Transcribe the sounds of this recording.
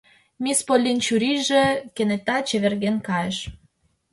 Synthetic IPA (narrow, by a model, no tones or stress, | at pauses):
mispolʲːint͡ɕuɾiʒekenet̪ɑt͡ɕeβerɣenkɑjəʃ